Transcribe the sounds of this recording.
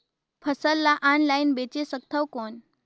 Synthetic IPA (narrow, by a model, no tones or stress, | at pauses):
pʰəsəlːaʔanlainbet͡ɕesək̚t̪ʰəwkɔn